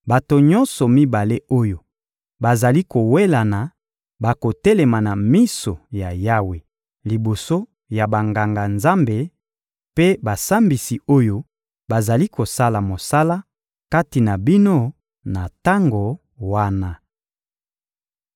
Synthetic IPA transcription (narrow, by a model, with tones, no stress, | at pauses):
ba˨to˨ɲɔ̃˦nsɔ˨mi˦ba˨le˦o˦jo˨ | ba˨za˨li˦ko˨we˦la˨na˨ | ba˨ko˨tɛ˦lɛ˨ma˨na˨mi˦so˨ja˨ja˦we˨ | li˨bo˨so˦ | ja˨ba˨ŋɡa˨ŋɡa˨nza˦mbe˨ | pe˦ba˨sa˦mbi˨si˨o˦jo˦ | ba˨za˨li˦ko˨sa˦la˨mo˨sa˦la˦ | ka˦ti˨na˨bi˦no˦ | na˨ta˦ŋɡo˨ | wa˦na˦